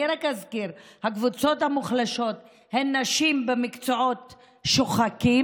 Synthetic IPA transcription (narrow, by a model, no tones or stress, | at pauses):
ɾakazkiɾhakvut͡so̞thamuχlaʃo̞t | henːaʃimbemikt͡soo̞t | ʃoχaki